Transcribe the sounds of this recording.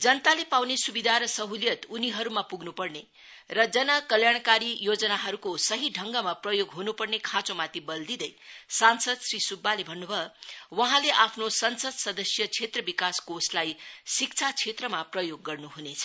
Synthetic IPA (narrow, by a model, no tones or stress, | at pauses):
d͡zʌnt̪alepawnesubid̪ʱaɾʌsʌɦuljʌt̪uniɦʌɾumapuɡnupʌrne | rʌd͡zʌnʌkʌljaɽ̃kaɾijod͡zʌnaɦʌɾukosʌɦiɖʱʌŋɡʌmaprʌjoɡɦunupʌrnekʰãt͡somat̪ibʌld̪id̪ʌjsansʌd̪srisubːalebʱʌnːubʱʌwʌɦãleʔapʰnosʌnsʌd̪sʌd̪ʌsjʌt͡sʰet̪rʌbikaskoslajsik̚t͡sʰat͡sʰet̪rʌmaprʌjoɡːʌrnuɦunet͡sʰʌ̥